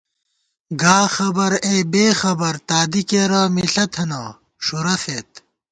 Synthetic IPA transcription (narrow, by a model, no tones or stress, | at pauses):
ɡaːxɐbɐɾeːbeːxɐbɐɾt̪aːd̪ikeɾaːmiɬɐt̪ʰɐnɐ | ʂuɾɐset̪